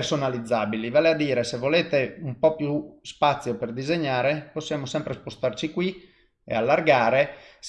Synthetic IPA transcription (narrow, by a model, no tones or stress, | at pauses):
rsonalid̪zːaːbilivaːlead̪ːiːɾesevːoleːt̪eumpɔpjuspat̪sːjoperd̪izeɲːaːɾeposːjaːmosɛmpɾespost̪art͡ʃikwi | ḛalːarɡaːɾes